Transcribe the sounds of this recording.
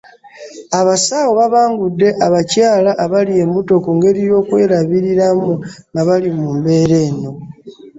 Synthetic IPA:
aβasaːwoβaβaːŋɡudːe̞ʔaβacaːlaʔːβalie̞mbuto̞kuŋɡe̞ɾijo̞ːkwe̞ːɾaβiɾiɾamuŋɡaβalimumbe̞ːɾe̞ːno̞

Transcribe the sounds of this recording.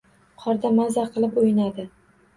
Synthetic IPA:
qʰɒɾd̪amazaqʰɨlˠɪpojɪnad̪ɪ

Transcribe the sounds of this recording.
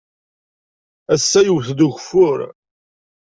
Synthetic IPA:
æsːæjəwθd̪uçfʊɾ

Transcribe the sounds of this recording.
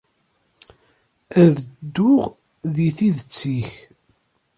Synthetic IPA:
æðd̪ːʊʁ | ðiθiðət͡sːiç

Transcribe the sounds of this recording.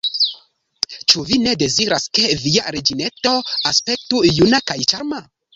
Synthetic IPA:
t͡ʃuvine̞de̞ziɾaske̞viaɾed͡ʒine̞to̞aspe̞k̚tujunakajt͡ʃaɾma

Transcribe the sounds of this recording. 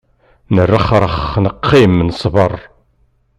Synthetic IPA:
nərːəχɾˤəχnəqːimnəsˤvərˤ

